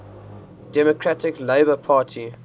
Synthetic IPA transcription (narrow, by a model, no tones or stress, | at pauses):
d̥ɛmɔkʰɹatɪkleɪbəpʰɑːˑtʰi